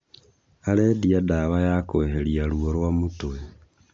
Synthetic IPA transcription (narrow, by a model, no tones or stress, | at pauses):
alediadaβajakoeɦelialuoɾwamutue